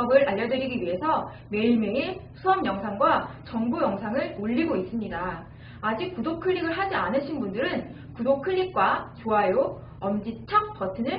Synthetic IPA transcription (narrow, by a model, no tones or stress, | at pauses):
ʌɡɯɾaʎːʌdɯɾiɡiɥiɦe̞sʰʌ | me̞iɭme̞isʰuʌmjʌŋsʰaŋɡwat͡ɕʌŋbujʌŋsʰaŋɯɭoʎːiɡois͈ɯmɲidaː | d͡ʑik̚k͈ːudokʰɯʎːiɡɯɭɦad͡ʑianɯɕʰinbundɯɾɯn | kudokʰɯʎːik̚k͈wat͡ɕoajo | ʌmd͡ʑit͡ɕʰʌk̚pʌtʰɯnɯ